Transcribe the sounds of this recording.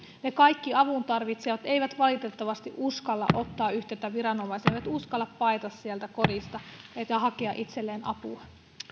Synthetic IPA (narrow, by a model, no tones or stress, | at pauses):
ne̞kɑjkːiɑʋunt̪ɑrʋit̪seʋɑt̪e̞jʋæt̪ʋɑlit̪e̞t̪ːɑʋɑst̪iʔuskɑlːɑ̰ʔʔo̞t̪ːɑːyçt̪et̪ːæʋiɾɑno̞mɑjsejʋæt̪uskɑlːɑppɑjt̪ɑssiælt̪æko̞dist̪ɑekɑɦɑkeɑʔit̪se̞lːeːnɑpṵɑ